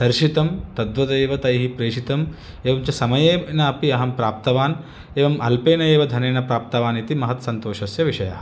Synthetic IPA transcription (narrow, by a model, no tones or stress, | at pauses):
d̪̥ɐɾʃit̪ɐmt̪ɐd̪ʋɐt̪ɐeːʋɐt̪ɐjɦipɾeːʃit̪ɐm | eːʋɐmt͡ʃɐsɐmɐjeːnɐɐpiɐɦɐmpɾaːp̚t̪ɐʋaːn | eːʋɐmɐlpeːnɐeːʋɐd̪ʱɐneːnɐpɾaːp̚t̪ɐʋaːnit̪imɐɦɐt̪sɐnt̪oːʃɐsjɐʋiʃɐja̰ːɦɐ